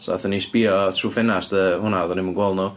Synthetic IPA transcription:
sɔa̰θəniːsb̥iːɔtʰruːfɛnastəhʊnaɔðɔnɪmənɡwɔlˠnu

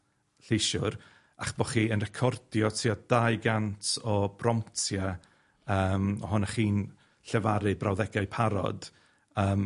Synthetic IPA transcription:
ɬeʃʊɾ | aχb̥ɔχiːənrɛkʰɔrd̥jɔtʰiɔd̥ajɡantʰɔbrɔmtʰjɛ | əːmɔɦʊnaχiːn | ɬɛvaɾɨbrawðɛɡajpʰaɾɔ̰d̥ | əːm

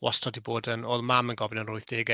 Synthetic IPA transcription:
wɔ̰stʰɔdiboːdənoːðmamənɡɔvɪnənrʊɨθd̥eːɡɛ

